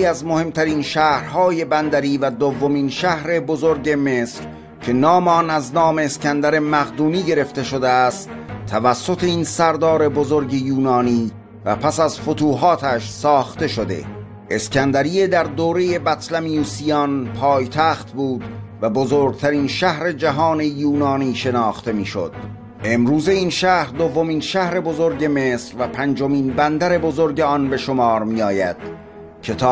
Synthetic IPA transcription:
iæzmo̞he̞mt̪ʰæɾinʃæːhɾhɒːje̞bænd̪æɾiːvæd̪ovːominʃæhɾe̞bozoɾɟe̞me̞ːsɾ | cʰe̞nɒːmeɒnæznɒːme̞ːskænd̪æɾemæɣd̪uːniːɟe̞ɾe̞ft̪e̞ʃo̞d̪eæst̪ʰːævæsːot̪ʰe̞iːnsæɾd̪ɒːɾe̞bozo̞ɾɟejuːnɒːniː | væ̰pʰæsæzfot̪ʰuːɦɒːt̪ʰæʃsɒːxt̪e̞ʃod̪e̞̰ | ʔe̞skænd̪æɾied̪æɾd̪oːɾe̞je̞bæt̪ʰlæmijuːsiɒnpʰɒːjt̪ʰæːχt̪buːd̪væbozoːɾɡ̚t̪ʰæɾiːnʃæhɾe̞d͡ʒæɦɒːne̞juːnɒːniːʃe̞nɒːxt̪e̞miːʃo̰d̪̥ | ʔe̞mɾuːze̞inʃæhɾd̪ovːo̞miːnʃæhɾe̞bo̞zo̞ɾɟe̞me̞ːsɾvæpʰænd͡ʒo̞miːnbænd̪æɾe̞bozoɾɟe̞ɒnbe̞ʃomɒːɾmijɒːjæd̪̥ | cʰe̞t̪ʰɒː

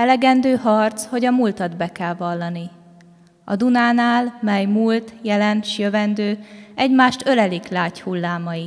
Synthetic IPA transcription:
ɛlɛɡɛnd̪øːɦɒrt̪sho̞ɟɒmult̪ɒd̪bɛkɛlvɒlːɒni | ɒ̰d̪unaːnaːlmɛjmult̪jɛlɛnʃjøvɛnd̪øːɛɟmaːʃt̪ø̞lɛliklaːchulːaːmɒji

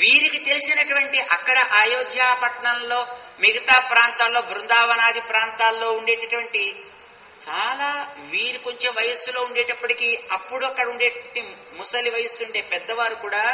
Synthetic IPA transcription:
ʋiːɾikit̪e̞lisinɐʈuʋɐɳʈiʔɐkːɐɽɐʔaːjoːd̪jaːpɐʈɳɐnlo̞ː | miɡɐt̪aːpɾaːnt̪aːlːo̞ːɡɾund̪aːʋɐnaːd̪ʱipɾaːnt̪aːlːo̞ːuɳɖe̞ːʈɐʈuʋɐɳʈi | t͡ʃaːlaːʋiːɾiko̞ɲt͡ʃe̞mʋɐjɐsuloːuɳɖeːʈɐpːɐʈikiːɐpːuɽuɐkːɐɽɐuɳɖeːʈi | musɐliʋɐjɐsuɳɖe̞ːpɛd̪ːɐʋaːɾukuːɽaː

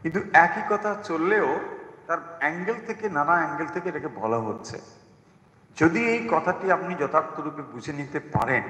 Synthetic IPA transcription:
kint̪uɛkikɔt̪ʰat͡ɕolːeot̪aɾɛŋɡelt̪ʰekenanaɛŋɡelt̪ʰekeɾakebɔlaɦotːɕʰḛ | d͡ʑod̪iejkɔt̪ʰaʈiapnid͡ʑɔt̪ak̚t̪oɾubebud͡ʑʱenit̪epa̰ɾen

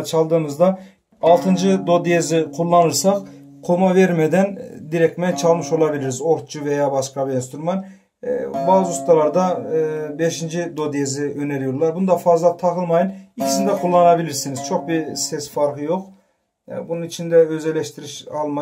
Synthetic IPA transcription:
t͡ʃʰɑlˠd̪ɯːmɯzd̪ɑ | ɑlˠt̪ʰɯnd͡ʒɯd̪o̞d̪ijeziqʰulˠːɑnɯɾsɑqqʰo̞mɑveɾmɛd̪ɛnd̪iɾɛk̚t̪mɛt͡ʃʰɑlˠmɯʃo̞lˠɑbilʲiɾizo̞ɾt̪̚t͡ʃʰuvejabɑʃkɑbiinst̪yɾumɑn | baːzɯust̪ɑlˠɑɾd̪ɑbeʃind͡ʒid̪od̪ijeziø̞neɾijoɾlˠɑɾbund̪ɑfɑzlˠɑt̪ʰɑqɯlˠmɑjɯnicʲʰi̥sind̪ɛqʰulˠːɑnɑbilʲiɾsiniz̥t͡ʃʰo̞q̚bisesfɑɾqɯjo̞q | bununit͡ʃʰind̪ɛø̞zɛlʲːɛʃt̪iɾiʃɑlˠmɑ

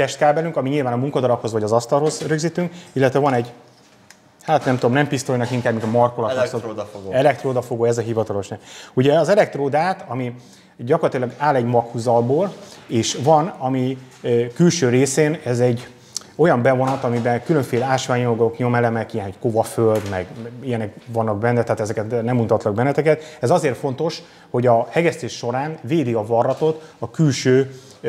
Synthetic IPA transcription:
t̪ɛʃt̪̚kaːbɛlyŋkɒmiɲilvaːnɒmuŋkɒd̪ɒɾɒpho̞zvɒɟɒzɒst̪ɒlɦo̞zɾøɡzit̪yŋkilːɛt̪ʋɛvɒnɛɟ | haːt̪nɛmt̪uomnɛmpist̪ojnɒkiŋkaːbmiŋɡɒmɒrkolɒt̪osoɛlɛk̚t̪roːd̪ɒfoɡoːɛzɒɦivɒt̪ɒlo̞ʃnɛuɟɛɒzɛlɛk̚t̪roːd̪aːt̪ɒmi | ɟɒkorlɒt̪ilɒɡaːlɛɟmɒkhuzɒlboːleːʃvɒnɒmi | kylʃøːɾeːseːnɛzɛɟː | o̞jɒmbɛvo̞nɒt̪ɒmibɛnkylø̞ɱfeːlaːʃʋaːɲolɡokɲo̞mɛlɛmɛkijɛnɦockovɒføld̪mɛɡijɛnɛkvɒnːɒɡ̚bɛnːɛt̪ɛaːt̪ɛzɛkɛt̪nɛmunt̪ɒt̪lɒɡbɛnːɛt̪ɛkɛt̪ɛzɒzeːrfo̞nt̪o̞ʃ | ho̞ɟɒhɛɡɛst̪eːʃːo̞ɾaːnveːd̪iɒvɒrːɒt̪o̞t̪ɒkylʃøː

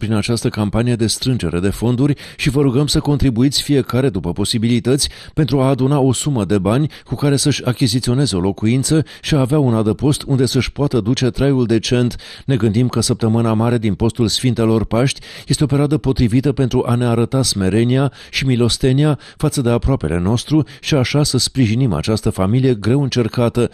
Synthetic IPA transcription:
pɾinat͡ʃast̪əkampanije̞d̪e̞st̪ɾɨnd͡ʒe̞ɾe̞d̪e̞fo̞nd̪uɾʲ | ʃivəɾuɡəmsəko̞nt̪ɾibuit̪sʲfije̞kaɾe̞d̪upəpo̞sibilit̪ət̪sʲpe̞nt̪ɾuaːd̪unao̞suməd̪e̞banʲkukaɾe̞səʃʲakʲizit̪sio̞ne̞ze̞o̞lo̞kuint̪sə | ʃiaːveaunad̪əpo̞st̪und̪e̞səʃpoat̪əd̪ut͡ʃe̞t̪ɾajuld̪e̞t͡ʃe̞nt̪ | ne̞ɡɨnd̪imkəsəp̚t̪əmɨnamaɾe̞d̪inpo̞st̪ulsfint̪e̞lo̞rpaʃt̪ʲjest̪ope̞ɾead̪əpo̞t̪ɾivit̪əpe̞nt̪ɾuʔane̞aɾət̪asme̞ɾe̞nia | ʃimilo̞st̪e̞nia | fat̪səd̪e̞apɾoape̞̰le̞̰no̞st̪ɾuʃiaʃasəspɾiʒinima̰t͡ʃast̪əfamilije̞ɡɾe̞wɨnt͡ʃe̞rkat̪ə

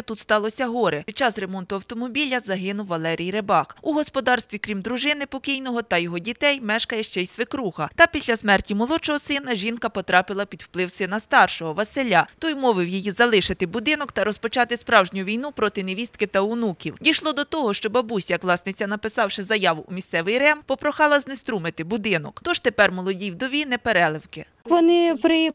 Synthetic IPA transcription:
t̪ut̪st̪ɑlˠɔsʲɐɦɔɾɛpʲid̪̚t͡ʃɑsremɔnt̪ʊɐwt̪ɔmɔbʲilʲɐzɐɦɪnʊwːɐlˠɛɾʲijɾebɑxuɦɔspɔd̪ɑrst̪ʋʲikɾʲimd̪ɾʊʒɪnɪpɔkʲijnɔɦɔt̪ɐjɔɦɔdʲit̪ɛjmɛʃkɐjɛʃt͡ʃɛjsʋɪkɾuxɐt̪ɐpʲisʲlʲɐsmɛrtʲimɔlˠɔt͡ʃɔɦɔsɪnɐʒʲinkɐpɔt̪ɾɑpɪlˠɐpʲid̪wplˠɪwsɪnɐst̪ɑrʃɔɦɔʋɐselʲat̪ɔjmɔʋɪwjijizɐlˠɪʃɪt̪ɪbʊd̪ɪnɔkt̪ɐɾɔspɔt͡ʃɑt̪ɪspɾɑwʒnʲʊʋʲijnupɾɔt̪ɪneʋʲist̪̚kɪt̪ɐʊnukʲiwd̪ʲijʃlˠɔd̪ɔt̪ɔɦɔʃt͡ʃɔbɐbusʲjɐkʋlˠɑsnɪt͡sʲɐnɐpɪsɑwʃɪzɐjɑʋʊʔumʲist̪sɛʋɪjɾɛmpɔpɾɔxɑlˠɐznest̪ɾumɪt̪ɪbʊd̪ɪnɔkt̪ɔʒt̪epɛrmɔlˠɔdʲijwd̪ɔʋʲinɛpeɾɛlˠɪwkɪ | ʋɔnɪpɾɪ

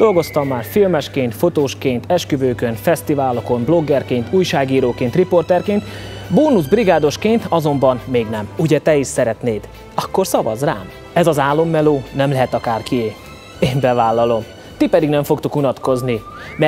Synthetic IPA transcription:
d̪̥o̞lɡo̞st̪ɒmːaːrfilmɛʃkeːnt̪fo̞t̪oːʃkeːnt̪ɛʃkøvøːkø̞nfɛst̪ivaːlo̞ko̞mblo̞ɡːɛrkeːnt̪uːjʃaːɡiːɾoːkeːnt̪ripo̞rt̪ɛrkeːnt̪boːnuzbriɡaːd̪o̞ʃkeːnt̪ɒzo̞mbɒnmeːɡnɛmuɟɛt̪ɛiʃsɛɾɛt̪neːd̪ | ɒkːo̞rsɒvɒ̰zra̰ːm | ɛzɒzaːlːo̞mːɛloːnɛmlɛɦɛt̪ɒkaːrkieː | eːmbɛvaːlːɒlo̞m | t̪ipɛd̪iɡnɛɱfo̞kt̪ukunɒt̪ko̞zni | mɛ

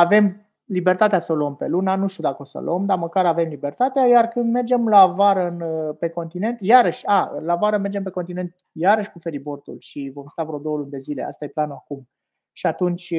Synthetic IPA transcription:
ave̞m | libe̞rt̪at̪easəluəmpe̞lunanuʃt̪iud̪akəosə̰lo̰əmd̪aməkaɾave̞mlibe̞rt̪at̪eajarkɨnd̪me̞rd͡ʒe̞mlaːvaɾəɨnpe̞ko̞nt̪ine̞nt̪jaɾəʃʲaɨ̰laːvaɾəme̞rd͡ʒe̞mpe̞kot̪ine̞nt̪̚ | jaɾəʃʲkufe̞ɾibo̞rt̪ṵlʃivo̞mst̪avɾod̪o̞wəlund̪e̞zileʔa̰st̪ajeplanuakum | ʃiat̪unt͡ʃʲ

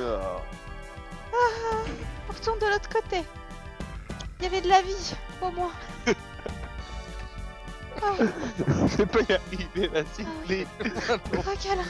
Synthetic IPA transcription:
a | a | paʁt̪uʁd̪əlot̪χə̥kot̪e | ljavɛd̪əlavipomwa | a | sɛpajaʁiveasile | ʁɔkʲɛl

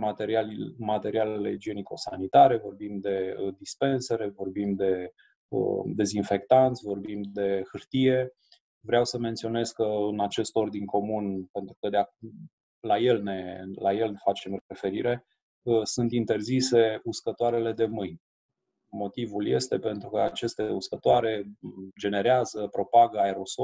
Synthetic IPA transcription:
mat̪eɾialmat̪e̞ɾialeled͡ʒieniko̞sanit̪aɾe̞vo̞rbimd̪e̞əd̪ispe̞nseɾe̞vo̞rbimd̪e̞ | ə̰d̪ezinfe̞k̚t̪ant̪sʲvo̞rbimd̪e̞hɨrt̪ije̞ | vɾeawsəment̪sio̞ne̞zkəɨnat͡ʃe̞st̪o̞rd̪inʲkʰo̞munpe̞nt̪ɾukəd̪eak | laje̞lne̞laje̞lfat͡ʃe̞mɾefe̞ɾiɾe̞ | əsunt̪int̪e̞rzise̞uskət̪oaɾe̞le̞d̪e̞mɨjnʲ | mo̞t̪ivulje̞st̪e̞pe̞nt̪ɾukəat͡ʃe̞st̪e̞uskət̪oaɾe̞d͡ʒe̞ne̞ɾeazəpɾo̞paɡəaeɾo̞so

